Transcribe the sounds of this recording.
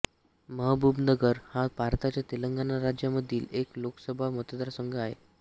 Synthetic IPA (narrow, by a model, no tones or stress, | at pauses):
məɦbʱubnəɡəɾhabʱaɾt̪at͡ɕjat̪iləŋɡanaɾad͡ʑjaməd̪ʱiːlekloksəbʱamut̪əd̪ɾasəŋɡʱəaɦḛ